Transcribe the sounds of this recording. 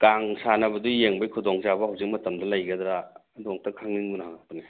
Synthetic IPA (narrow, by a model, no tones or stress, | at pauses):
kaŋsanɐbɐdujeŋbɐjkʰudɔŋzabɐhawzik̚mɐtɐmdɐlɐjɡɐdɾaː | dɔk̚tɐkʰaŋniŋbunaɦaŋ̚tuni